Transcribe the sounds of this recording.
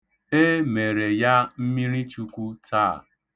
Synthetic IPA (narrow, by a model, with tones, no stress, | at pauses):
e˦me˨ɾe˨ja˦m̩˦mi˦ɾi˦t͡ʃu˦kʷu˦tʰaː˦˨